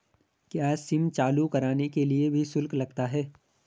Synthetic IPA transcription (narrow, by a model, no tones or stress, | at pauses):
kjaːsɪmt͡ʃaːlukɐɾaːnekeliebʱisʊlklɐɡt̪aɦɛː